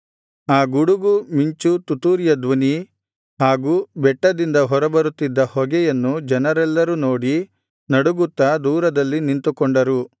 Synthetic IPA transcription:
aːɡuɽuɡumiɲt͡ʃut̪ut̪uːɾjɐd̪ʋɐni | ɦaːɡubɛʈːɐd̪ind̪ɐɦɔɾɐbɐɾut̪ːid̪ːɐhɔɡɛjɐnːud͡ʒɛnɐɾɛlːɐɾunoːɽi | nɐɽuɡut̪ːɐd̪uːɾɐd̪ɐlːinint̪ukɔɳɖɐɾu

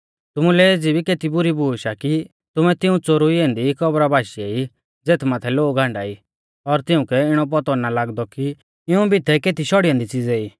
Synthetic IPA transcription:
t̪ʊmũlɛeːd͡zibikeːt̪ibʊɾibuːʃaki | t̪ʊmɛt̪ɪũt͡soɾuiẽːnd̪ikɔbɾabʱaːʃiei | d͡zeːt̪ʰmat̪ʰɛloːɡɡãːɳɖaːi | ɔɾt̪ɪ̃ũkɛɪɽ̃ɔp̬ɔt̪ɔnalaːɡd̪ɔki | ɪũbʱit̪ʰɛkeːt̪iʃɔɽijãnd̪it͡siːd͡zɛiː

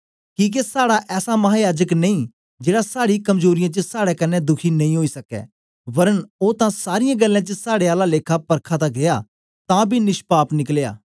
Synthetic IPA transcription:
kiːk̬esaːɽaʔɛːsamɐɦaːjaːd͡ʒəknɐ̃ĩː | d͡ʒeːɽasaːɽikɐmzoːɾɪjãːt͡ʃəsaːɽɛkɐnːɛd̪ʊkʰinɐ̃ĩɦoːisɐkɛ̰ː | ʋɐɾənoːt̪ãsaːɾɪjãːɡəlːãːt͡ʃəsaːɽeaːlaleːkʰapɐɾkʰãt̪aɡeja | t̪ãːbʱinɪʃpaːpnɪklja̰ː

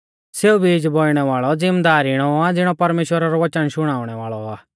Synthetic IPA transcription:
seːubʱid͡ʒbʱoːiɽ̃ɛʋaːɭɔd͡zɪmd̪aːɾiɽ̃ɔad͡zɪɽ̃ɔpɐɾmeːʃwəɾaɾɔʋɐt͡ʃənʃʊɽ̃aːʊɽ̃ɛʋaːɭɔaː

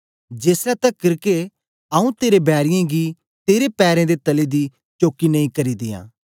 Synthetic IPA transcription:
d͡ʒeːsɛt̪ɐkɪɾke | ɐũt̪eːɾebɛːɾɪjãɡi | t̪eːɾepɛːɾẽd̪et̪ɐled̪i | t͡ʃoːkinɐ̃ĩkɐɾid̪ɪjã̰ː

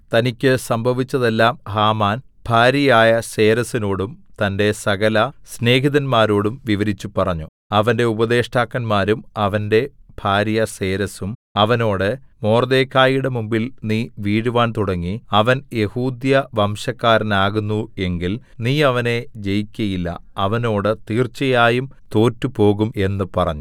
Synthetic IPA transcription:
t̪ɐnikʲːɨsɐmbʱɐʋit͡ɕːɐðe̞lːaːmhaːmaːn | b̥ʱaːɾjɐjaːjɐse̞ːɾɐsino̞ːɽumt̪ɐnde̞sɐɣɐlɐsne̞ːɦiðɐnmaːɾo̞ːɽumʋiʋɐɾit͡ɕːupɐrɐɲːu | ɐʋɐnde̞ubɐðe̞ːʂʈaːkːɐnmaːɾumɐʋɐnde̞b̥ʱaːɾjɐse̞ːɾɐsumɐʋɐno̞ːɽɨmo̞ːrd̪e̞ːkʰːaːjiɽe̞mumbilniːʋiːɽuʋaːnt̪uɽɐŋːiɐʋɐnje̞huːd̪jɐʋɐmɕɐkːaːɾɐnaːɣunːue̞ŋɡil | niːɐʋɐne̞d͡ʑe̞jikʲːɐjilːɐ̰ɐʋɐno̞ːɽɨt̪iːrt͡ɕɐjaːjumt̪o̞ːtːupo̞ːɣume̞nːɨpɐrɐɲːu

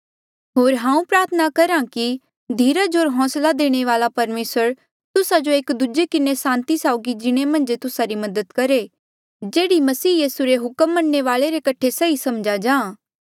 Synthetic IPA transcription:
ɦoːɾɦãːũpɾaːɾt̪ʰənakɐɾãki | d̪ʱiːɾad͡ʒoːɾɦɔ̃ːslad̪eːɽ̃eʋaːlapɐɾmeːsəɾ | t̪ʊsad͡ʒoeːkd̪ud͡ʒekɪnesãːnt̪isaːʊɡid͡ʒɪɽ̃emɐ̃nd͡ʒt̪ʊsaɾimɐd̪əd̪kɐɾe | d͡ʒeːɽimɐsiːjiːsuɾeɦʊkəmːɐnːeʋaːleɾekɐʈʰesɐisɐmd͡ʒad͡ʒãː

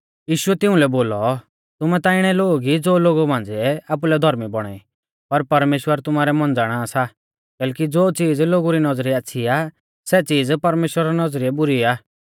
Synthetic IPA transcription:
jiːʃʊɛt̪ɪʊ̃lɛboːlɔ | t̪ʊmɛt̪aːɪɽ̃ɛloːɡid͡zoːloːɡumãːnd͡ziɛaːp̬ulɛd̪ʱɔɾmibɔɽ̃aːi | pɐɾpɐɾmeːʃwəɾt̪ʊmaːɾɛmɐnd͡zaːɽ̃asa | kɛːlkid͡zoːt͡siːd͡zloːɡuɾinɐd͡zɾiaːsʰia | sɛt͡siːd͡zpɐɾmeːʃwəɾaɾanɐd͡zɾiɛbʊɾiaː

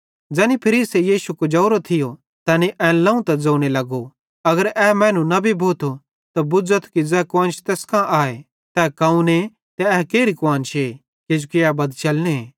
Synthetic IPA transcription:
d͡zɛːnipʰɐɾiːsejiːʃukod͡ʒɐːɾot̪ʰɪjo | t̪ɐːniʔɛ̃ːlɐ̃ũt̪ɐd͡zɐ̃ːuɽ̃elɐɡo | ɐɡəɾɛːmɛ̃ːnũnɐbʱibʱoːt̪ʰo | t̪abʊd͡zət̪ʰkid͡zɛːkʊãːnt͡ʃʰt̪eːskãʔaːe | t̪ɛkɐũne | t̪ɛɛkeːɾikʊãːnt͡ʃʰe | ked͡ʒukɪabɐd̪t͡ʃɐlñeː

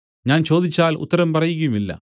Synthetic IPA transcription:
ɲaːnt͡ɕo̞ːd̪it͡ɕːaːlṵt̪ːɐɾɐmpɐrɐjukːɐjumilːɐ̰

